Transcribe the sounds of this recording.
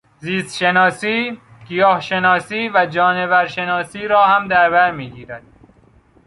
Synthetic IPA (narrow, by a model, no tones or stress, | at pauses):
ziːst̪ʃenɒːsiː | ɡ̥ijɒːhʃe̞nɒːsiːvæd͡ʒɒːneβæɾʃe̞nɒːsiːɾɒːhæmd̪æɾbæɾmiːɡiːɾæd̪̥̚